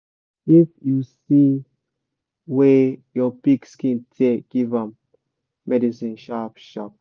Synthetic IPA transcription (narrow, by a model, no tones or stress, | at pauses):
ifjusi | wejɔpikskɛ̃ntʰeɡ̥ivãmː | ɛdisĩnʃapʃɔp̚